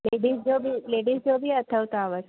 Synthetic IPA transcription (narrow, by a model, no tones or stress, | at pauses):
leɖiːsd͡ʒobʱileɽisd͡ʒobʱiːət̪ʰəʋwt̪oaʋəs